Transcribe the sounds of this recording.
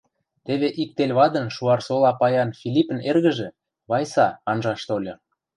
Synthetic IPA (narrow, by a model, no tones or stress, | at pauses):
t̪eβeʔik̚t̪elʲβɑd̪ə̆nʃuɑrsolɑpɑjɑnfilʲipə̆nerɣə̆ʒĕ | βɑjsɑɑnʒɑʃt̪olʲɤ̆